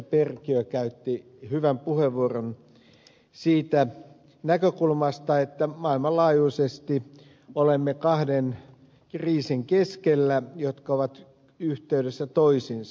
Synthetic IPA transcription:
perkiøkæyt̪ːi | hyʋæmpuheʋʋuoron | siːt̪æ | nækøkulmɑst̪ɑet̪ːæmɑilmɑlɑːjuisest̪i | olemːekɑhden | kriːsiŋkeskelːæjot̪kɑoʋɑt̪ | yht̪eydesːæt̪oisins

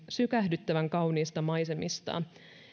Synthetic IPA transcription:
sykæhdyt̪ːæʋæŋkɑwniːst̪ɑmɑjse̞mist̪ɑ̰

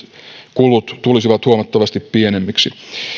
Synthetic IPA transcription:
kulut̪t̪ulisiʋɑt̪huɑmɑt̪ːɑʋɑst̪ippienemːiksi

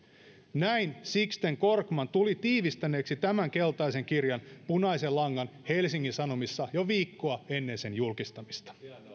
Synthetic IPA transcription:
næinsikst̪eŋko̞rkmɑnt̪ulit̪iːʋist̪æne̞ːksit̪æmæŋke̞lt̪ɑise̞ŋkirjɑnpunɑjse̞lːɑŋːɑnhe̞lsiŋːinsɑno̞misːɑjoʋiːkːoɑe̞nːe̞nse̞njulkist̪ɑmist̪ɑ̥

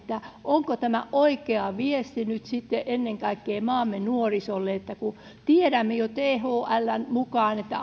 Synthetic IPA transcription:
t̪ːæʔoŋkot̪æmæ̰ʔoikeɑʋiest̪inyt̪sit̪ːeʔenːeŋkɑikːeːmɑːmːenuorisolːeet̪ːæku | t̪ieɾæmːejot̪eːhoːʔælːænmukɑːnet̪ːæ̰

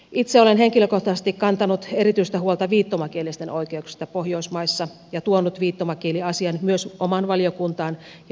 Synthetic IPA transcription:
ʔit̪seolenɦeŋkiløkoht̪ɑsest̪ikkɑnt̪ɑnut̪eɾit̪yist̪æhuolt̪ɑʋiːt̪ːomɑkielist̪enʔoikeuksi̥st̪ɑpohjoismɑisːɑ | jɑt̪uonːut̪ʋiːt̪ːomɑkieliɑsiɑnmyøsʔomɑnʋɑliokunt̪ɑːn

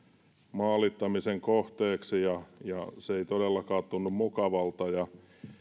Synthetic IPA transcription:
mɑːlit̪ːɑmiseŋkoht̪eːksijɑjɑseeit̪odelːɑkɑːt̪ːunːummukɑʋɑlt̪ɑjɑ

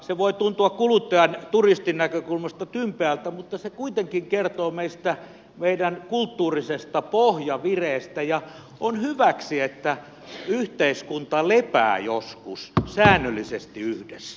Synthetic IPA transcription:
seʋoit̪unt̪uɑkkulut̪ːɑjɑnt̪urist̪inækøkulmɑst̪ɑt̪ympeælt̪æmut̪ːɑsekuit̪eŋkiŋkert̪oːmeist̪æ | meidænkult̪ːuːrisest̪ɑpohjɑʋireːst̪æjɑ | ʔonhyʋæksiet̪ːæ | yht̪eiskunt̪ɑlepæ̰ːjoskussæːnːølːisest̪iyhdesæ

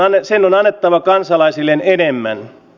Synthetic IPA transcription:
nːesenːonɑnːet̪ːɑʋɑkɑnsɑlɑisilːenenemːæ̰n

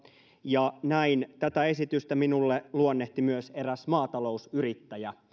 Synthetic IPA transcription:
jɑnæint̪æt̪æe̞sit̪yst̪æminulːeluonːeht̪imyøse̞ɾæsmɑːt̪ɑlo̞usyɾit̪ːæjæ

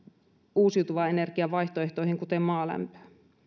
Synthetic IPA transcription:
uːsiut̪uʋɑene̞rkiɑʋɑiçt̪oeht̪oihiŋkut̪emmɑːlæ̰mpø̥ː

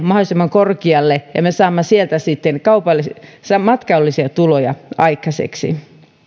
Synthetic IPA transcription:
mɑholˑisemːɑŋkorkiɑlːejɑ̰mesɑːmːɑsielt̪æsit̪ːenkɑupɑlːissɑmɑt̪kɑolːisiɑt̪ulojɑ̰ɑikːɑsḛksḭ

